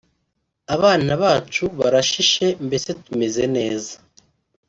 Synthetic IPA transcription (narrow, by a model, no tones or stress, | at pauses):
aβaːnaβaːt͡ʃuβa̰ɾaʃiʃe̞mbe̞se̞tume̞ze̞ne̞ːzḁ